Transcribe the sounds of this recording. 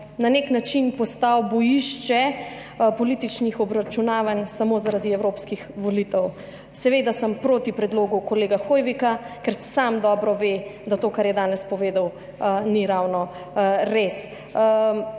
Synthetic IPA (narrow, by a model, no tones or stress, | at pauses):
naneknat͡ʃinpɔst̪awbɔjiʃt͡ʃɛ | pɔlit̪it͡ʃnixɔbɾat͡ʃunaːʋansamozaɾad̪iɛwɾoːpskixʋɔlit̪ɛw | sɛʋeːd̪asəmpɾoːt̪ipɾɛd̪loːɡukɔleːɡaxojʋikakɛɾsamd̪ɔːbɾɔʋed̪at̪oːkaɾjɛd̪aːnɛspɔʋeːd̪ɐw | niɾawnɔ | ɾes